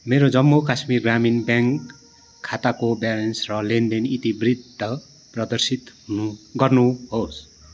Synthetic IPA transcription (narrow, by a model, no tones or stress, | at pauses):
meɾod͡zʌmːokasmirɡraminbjaŋkʰː | at̪akobalensrʌlendenit̪ibrid̪̚ʱtːʌ | prʌd̪ʌrsit̪ɦunuɡʌrnuɦos